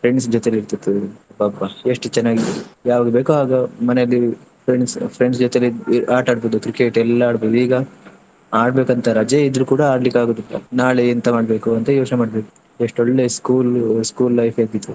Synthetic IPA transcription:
pʰɾeɳɖsd͡ʒɔt̪eleiɾt̪it̪ːubaːbaeʂʈt͡ʃɛnːaːɡijaːʋaːɡebeːkuaːɡɐmɐnejɐlːipʰɾeɳɖspʰɾeɳɖsd͡ʒɔt̪eliaːʈaːɽboːd̪ukɾikeʈɛlːɐaːɽboːd̪uiːɡɐ | aːɽbeːkɐnt̪ɐɾɐd͡ʒeid̪ɾukuːɽɐaːɖlikːaːɡoːd̪ilːɐ̰naːɭeint̪ɐmaːɽbe̞ːkuɐnt̪ɐjoːt͡ʃnemaːɽbeːku̥ | eʂʈɔɭːeskuːlskuːlːɐjfʰeɾt̪it̪ːu

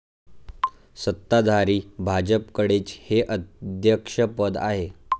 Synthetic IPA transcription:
sət̪ːad̪ʱaɾiːbʱad͡ʑəpkəɽet͡sheʔəd̪ʱjəkʂəpəd̪aɦe

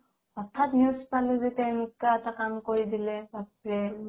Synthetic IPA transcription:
ɔtʰːatnuzpalʊzetɛwnikaɛtakamkoɹidilɛbapɹɛ

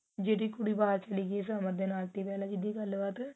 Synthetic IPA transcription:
d͡ʒeːɽiːkʊɽiːbaːɾt͡ʃəliːɡis̬əməɾd̪eːnaːlt̪iːpɛːlãːd͡ʒɪd̪iːɡəlːʋaːt̪

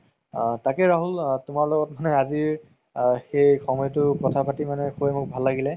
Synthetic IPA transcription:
takɛɹaɦultʊmaɹlɔɡɔt̚manɛaziɹ | xejxɔmɔjtʊpɹɔtʰapʰatimanɛkʰubɛmʊk̚bʱalːaɡilɛ

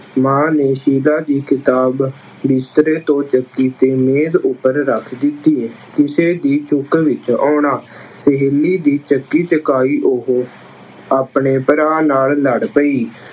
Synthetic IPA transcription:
mãːneːʃiːlaːd̪iːkɪt̪aːb | bɪst̪ɾeːt̪õːt͡ʃəkːiːt̪eːmeːzʊpːəɾɾəkʰd̪ɪt̪iː | t̪ɪseːd̪iːt͡ʃʊkʋɪt͡ʃɔːɳaːsəɦelːiːd̪iːt͡ʃəkːiːt͡ʃəkaːiːʔoɦ | aːpɳeːpəɾaːnaːlːəɽpəiː

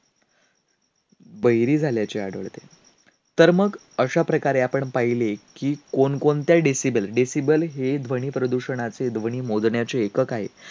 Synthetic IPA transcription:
bəjɾiːd͡zʱaljat͡ɕeaɽə̰ɭt̪e | t̪əɾməɡ | əɕapɾəkaɾeapəɳpaɦilekiːkonkont̪jaɖesibəlɖesibəlɦed̪ʱʋəɽ̃iːpɾəd̪uɕəɳ̃at͡sed̪ʱʋəɳ̃iːmod͡zɳjat͡ɕeːkəkaɦḛ

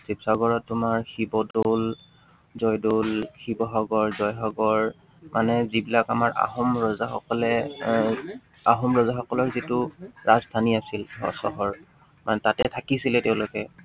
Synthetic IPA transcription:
sipsaɡɔɹɔtːʊmaɹxibɔdol | zɔjdolxibɔxɔɡɔɹzɔjxɔɡɔɹ | mʔanɛzibilakamaɹʔa̰xɔmɹɔzaxɔkɔlɛ | aɦɔmɹɔzaxɔkɔlɔɹzitʊɹaztʰaniasilɔ̰sɔ̰ɦɔɹ | manɛtatɛtʰakisilɛteʊ̃lʊkɛ

